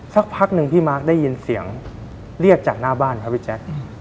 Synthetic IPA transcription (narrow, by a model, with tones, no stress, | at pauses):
sa˨˦˥k̚pʰa˦˥k̚nɯ˧ŋpʰiː˥˩maː˦˥k̚daː˥˩ji˧nsi˩˦əŋ | ɾi˥˩əp̚t͡ɕaː˨˩k̚naː˥˩baː˥˩nkʰa˦˥p̚ʰiː˥˩t͡ɕɛ˦˥k̚